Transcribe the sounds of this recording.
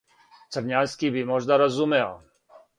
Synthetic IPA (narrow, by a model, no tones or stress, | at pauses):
t͡sərɲajskiːbimɔʒnaɾɔzumɛl